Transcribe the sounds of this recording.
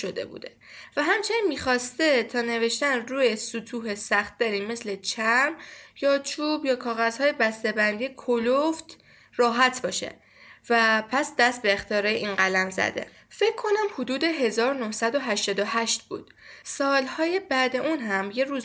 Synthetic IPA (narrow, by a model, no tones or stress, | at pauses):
ʃod̪e̞̰bṵːd̪e | væɦæmt͡ʃʰe̞ninmiːxɒːst̪e̞t̪ʰɒːne̞ve̞ʃt̪ænruːjesut̪ʰuːɦe̞sæxt̪̚d̪æɾiːme̞slet͡ʃʰæɾmjɒːt͡ʃʰuːbjɒːkʰɒːɣæz̥hɒːje̞bæst̪e̞bænd̪iːjekʰoloft̪ | rɒːɦæt̪ʰbɒːʃe̞̰ | væpʰæsd̪æst̪̚beːxt̪iɒːɾɒjeʔiːnɢælænzæ̰d̪e̞̰ | fe̞cʰːo̞næmhod̪uːd̪e̞ɦe̞zɒːɾonohsæd̪o̞ɦæʃt̪ɒːd̪o̞hæʃt̪̚bṵːd̪̥sɒːlhɒːje̞bæːd̪e̞ʔuːnɦæmje̞ɾuːz